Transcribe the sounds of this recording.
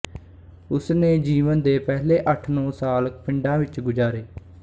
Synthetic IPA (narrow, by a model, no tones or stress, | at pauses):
ʊsneːd͡ʒiːʋənd̪eːpɛːleːʔəʈʰnɔ̃ːsaːlkpʰɪɳɖãːʋɪt͡ʃɡʊd͡ʒaːɾeː